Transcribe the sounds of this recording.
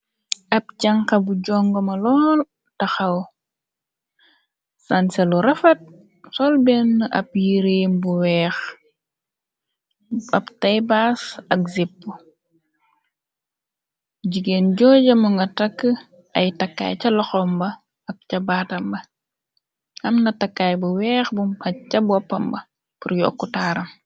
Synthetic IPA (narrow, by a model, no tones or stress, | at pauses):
ʔɐp̚t͡ʃɐŋkɐbuɟɔŋɡɔmɐlɔːl | tɐxɐw | sɐnsɐluɾɐfɐt̚ | sɔlbɛnːʔɐ̰p̚jiɾembuwɛːx | ɐptɐjbasɐk̚zipːu | ɟiɡenɟɔːɟɐmuŋɡɐtɐkːə | ʔɐjtɐkːa̰ːjcɐlɔxɔmbɐ | ɐk̚cɐbaːtɐmbɐ | ʔɐmnɐtɐkːaːjbuwɛːxbumɐcɐbwɐpːɐmbɐ | puɾjɔ̰ːkːutaːɾɐm